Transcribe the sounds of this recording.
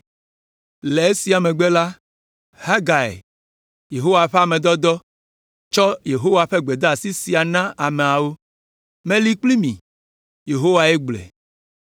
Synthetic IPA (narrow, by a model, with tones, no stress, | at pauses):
le˨e˦si˨a˨mẽ˨ɡ͡be˦la˦ | ha˦ɡa˨ḛ˨ | je˨ɦo˦wa˨ɸe˦a˨mẽ˨d̪ɔ˦d̪ɔ˦ | t͡ʃɔ˦je˨ɦo˦wa˨ɸe˦ɡ͡be˨d̪a˦a˨si˦si˨a˨nã˦ʔa˨me˨a˨wo˦ | mẽ˦li˦k͡pli˦mḭ̃˨ | je˨ɦo˦wa˨e˦ɡ͡blɛ̰˨